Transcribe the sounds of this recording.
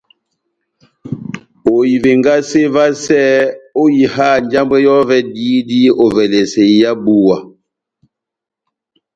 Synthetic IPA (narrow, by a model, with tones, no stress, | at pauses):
o˨ji˨ve˨ŋɡa˦se˦va˦sɛː˦o˦ji˨ɦa˦˨n˦d͡ʒa˦mbe˦jɔ˦vɛ˦di˦di˦o˨vɛ˨le˨se˨˦ja˦bu˦wa˨